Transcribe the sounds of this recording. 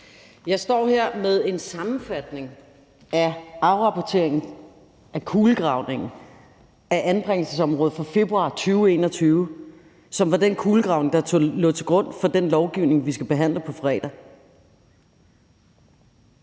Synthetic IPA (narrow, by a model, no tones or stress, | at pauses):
jɑ̈ɪsd̥ɒ̰ːheɐ̰meðˠe̝nsɑ̈mn̩fæd̥ne̝ŋ | æɑ̈ʊʁɑ̈pʰɒt͡sʰe̝ɐ̰eŋn̩ | ækʰuːləɡ̥ʁɑ̈ʊne̝ŋn̩ | æʔænb̥ʁeŋ̰l̩səsɒ̽mʁɔ̽ːð̩ˠfɒ̈fe̝b̥ʁuɑ̰̈t͡sʰyːʊe̝̰ːnɒt͡sʰyːʊ | sɒ̽mʋɑ̈d̥enkʰuːləɡ̥ʁɑ̈ʊne̝ŋd̥ɑ̈t͡sʰolɔt͡sʰe̝ɡ̥ʁɔ̽n̰fɒ̽d̥enlɒʊɡ̥iʊ̰ne̝ŋʋis̬ɡ̥æb̥e̝ɦæn̰ləpʰɒ̽fɒɛ̰ːd̥ɐ